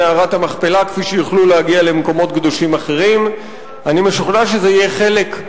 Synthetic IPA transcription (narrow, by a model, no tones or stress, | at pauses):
aʁatamaχpe̞lakfiʃejuχlulehaɡiale̞meko̞mo̞t̪ɡd̪oʃimaχe̞ʁim | animeʃuχnaʃ̬ezeijeχe̞le̞k